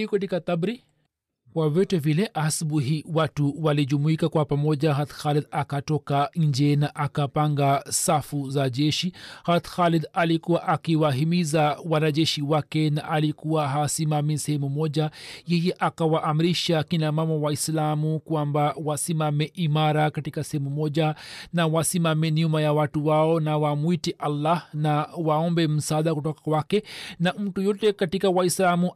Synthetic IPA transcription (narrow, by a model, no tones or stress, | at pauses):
ikɛtikatabɾi | kwavitɛvilɛʔasuɓuɦiwatuwaliʄumuikakwapamɔʄaɦat̪xalid̪akatɔkaɲ̩d͡ʒɛnaʔakapaŋɡasafuzaʄɛʃihat̪xalid̪alikuwaʔakiwaɦimizawanaʄɛʃiwakɛnaʔalikuwaɦasimamisɛhɛmumɔʄajɛjɛʔakawaʔːmiɾiʃakinamamawaislamukwambawasimamɛʔimaɾakatikasɛhɛmumɔʄanawasimamɛniumajawatuwaɔnawamuitiʔalːahnawaɔmbɛm̩saɗakutɔkakwakɛnam̩tujɔtɛkatikawaislamu